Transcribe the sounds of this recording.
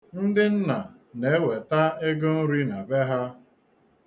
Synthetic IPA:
n̩˦dɪ˦n̩˦na˨ | ne˨˦we˨ta˦e˦ɡʊ˦n̩˦ɾi˦na˨be˦ɦa˦

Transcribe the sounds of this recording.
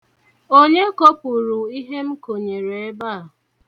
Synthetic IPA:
o˦ɲe˦ko˦pu˨ɾu˨i˦ɦe˦m̩˦ko˨ɲe˨ɾe˨e˦ba˦˨

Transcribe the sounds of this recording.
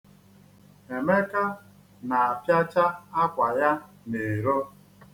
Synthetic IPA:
e˨me˦ka˦ | na˨a˨pja˦t͡ʃa˦a˦kʷa˨ja˦ | ne˨ɾo˦

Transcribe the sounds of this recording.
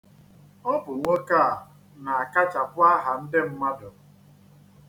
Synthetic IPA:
ɔ˦bʊ˨ŋʷo˦ka˦˨ | na˨a˨ka˦t͡ʃa˨pʊ˦a˦ɦa˨n̩˦dɪ˦m̩˦ma˦dʊ˨

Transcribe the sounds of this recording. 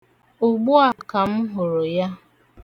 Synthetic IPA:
ʊ˨ɡ͡bʊ˦a˨ka˨m̩˦ɦʊ˨ɾʊ˨ja˦

